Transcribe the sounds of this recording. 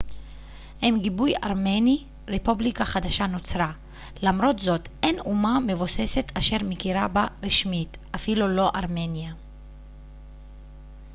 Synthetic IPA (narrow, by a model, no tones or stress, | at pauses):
hemɡibuja̰ʁmeni | ʁepublikaχad̪aʃano̞t͡sɾa | lamɾo̞tzo̞te̞numame̞vose̞se̞t̪aʃe̞ʁmekiɾabaʁiʃmit | ʔafilulo̞ʔaʁme̞nja